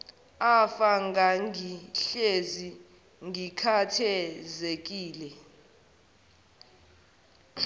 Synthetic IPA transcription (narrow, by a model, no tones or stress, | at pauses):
afaŋɡaŋʱiɬezi | ŋɡʱikʰatʰɛzek̬ʼiːlɛ